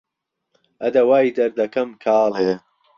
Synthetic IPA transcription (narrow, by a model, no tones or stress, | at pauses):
ʔɐd̪ɐwaːid̪ɐɾd̪ɐkɐmkʰaːleː